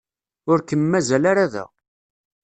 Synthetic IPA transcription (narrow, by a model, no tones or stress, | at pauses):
ʊɾkəmːæzælaɾaðæ̰